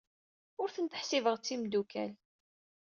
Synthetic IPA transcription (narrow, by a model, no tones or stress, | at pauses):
ʊɾθənt̪ə̥ħsivəʁt͡sːimd̪ukæ̰l